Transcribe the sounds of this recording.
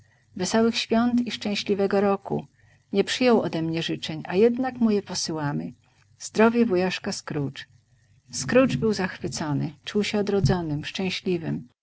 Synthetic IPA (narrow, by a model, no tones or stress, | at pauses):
vɛsɔwɘxɕfʲjɔnt̪iʂt͡ʂɛ̃w̃ɕlʲivɛɡɔɾɔkṵ | ɲɛpʂɘjɔwɔd̪ɛmɲɛʐɘt͡ʂɛɲʔa̰jɛd̪nakmujɛpɔsɘwamɘ | z̥d̪ɾɔvʲjɛvujaʂkaskɾut͡ʂ | skɾut͡ʂbɘwzaxfɘt̪sɔnɘt͡ʂuwɕɛɔd̪ɾɔd̪zɔnɘmʂt͡ʂɛ̃w̃ɕlʲivɘm